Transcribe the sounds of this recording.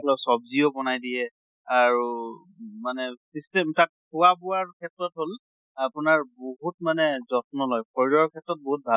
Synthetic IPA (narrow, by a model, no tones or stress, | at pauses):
lɔsɔbziɔbɔnajdiɛ | aɹu | manɛsistɛmtat̚pʰʊwabʊaɹkʰɛtɹɔtɦol | apʊnaɹboɦutmanɛzɔt̚nɔlɔjkʰɔɹɹɔɹkʰɛtɹɔt̚boɦut̚bʱa